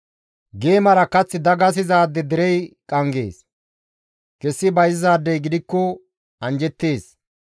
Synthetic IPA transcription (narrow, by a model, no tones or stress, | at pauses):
ɡe̞ːmɐɾɐkɐt͡sːɪd̪ɐɡɐs̬ɪzaːd̪ːɛd̪ɛɾɛjkʼɐŋɡe̞̰ːs | kɛsːɪbɐjɪzaːd̪ːɛjɡɪd̪ɪkːɔ | ɐnd͡ʒɛt̪ːe̞ːs